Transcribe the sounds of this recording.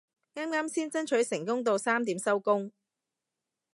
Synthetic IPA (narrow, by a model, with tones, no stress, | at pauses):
ŋaː˥mŋaː˥msiː˥nt͡sɐ˥nt͡ʃʰɵ˨˥jsɪ˨˩ŋkʊ˥ŋt̪̬o˧wsaː˥mt̪iː˨˥msɐ˥wkʊ˥ŋ